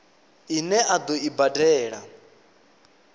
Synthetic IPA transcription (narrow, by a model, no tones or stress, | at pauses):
inɛʔad̪ɔibadɛːɺa